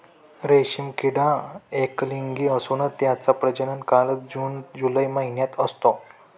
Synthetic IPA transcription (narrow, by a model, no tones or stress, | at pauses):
ɾeɕimkiɽãekliŋɡiːəsunət̪ːjat͡sapɾəd͡ʑənənkalət͡sd͡ʑuːnd͡ʑuləjməɦinjat̪əst̪o